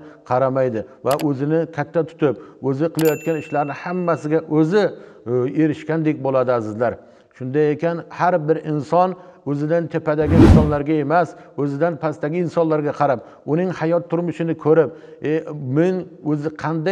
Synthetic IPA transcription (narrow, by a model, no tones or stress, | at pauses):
qʰɑɾamajd̪ɪvaʔɵzɪnɪkʲʰat̪ʰːat̪ʰʊ̥t̪ʰɪp̚ɵzɪqʰɨlˠajɒt̪̚kʲanɪʃlaɾnɪhamːasɪɡʲaʔɵzɪ | eɾɪʃkʲand̪ek̚ʲbolˠad̪ɪasɪzlaɾ | ʃʊnd̪ajekʲanhaɾbɪɾɪnsɒn | ɵzɪd̪ant̪ʰepad̪aɡʲɪɪnsɒnlaɾɡʲae̞masɵzɪd̪anpʰast̪aɡʲɪɪnsɒnlaɾɡʲaqʰɑɾap̚ | ʊnɪŋhajɒt̪ʰːʊɾmʊʃɪnɪkʰɵɾɪp̚ | emɪnɵzɪqʰɑnd̪a